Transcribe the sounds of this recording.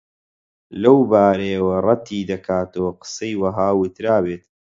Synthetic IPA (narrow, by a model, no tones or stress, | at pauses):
lɐwbaːɾɐjɐwɐrˤɑt̪ʰiːd̪ɐkʰaːt̪owqɨ̥sɐjwɐɦaːwʊt̪ɾaːbeːt̪